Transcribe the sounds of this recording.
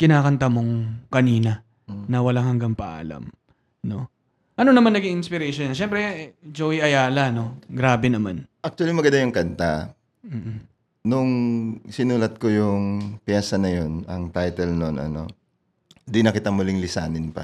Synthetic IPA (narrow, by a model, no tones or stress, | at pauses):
kɪnaːkɐnt̪amo̞ŋkɐniːnɐ | nɐwɐlaŋhɐŋɡɐŋpɐʔa̰ːlɐ̰m | no̞ | ʔɐnonɐmanːɐɡiŋʔɪnspɪɾɛʃonːɐʃɛmpɾɛd͡ʒowiʔɐjaːlɐno̞ɡɾaːbɛnɐmanʔak̚t̪ʊɐlimɐɡɐnd̪ajʊŋkɐnt̪a | m̩ː | nʊŋsɪnuːlɐt̪̚ko̞jʊŋpjɛːsɐnɐjo̞nɐŋt̪ajt̪ɛlnonɐ̰no̞̰ | d̪inɐkɪt̪amʊliŋlɪsa̰ːnɪnpɐ̰